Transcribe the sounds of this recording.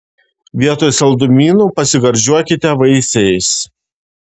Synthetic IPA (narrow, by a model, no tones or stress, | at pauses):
ʋʲiɛt̪oːjsɐlˠd̪ʊmʲiːnuːpɐsʲɪɡɐɾʲʒʲuɔkʲɪt̪ʲɛʋɐɪsʲɛjs